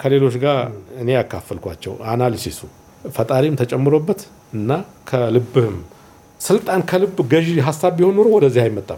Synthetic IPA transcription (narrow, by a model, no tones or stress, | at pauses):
kʰəle̞lo̞t͡ʃɡaɨne̞jakʰːafəlkʷa̰t͡ʃːɛ̰wanalisisu | fət̪ʼaɾimt̪ʰət͡ʃʼɛmːɨɾobːət̪ | ɨnːa | kʰəlɨbːɨɨm | sɨlt̪ʼankʰəlɨbːɡəʒɦasːaβːihonːoɾwɔd̪əzːihajmət̪ʼːa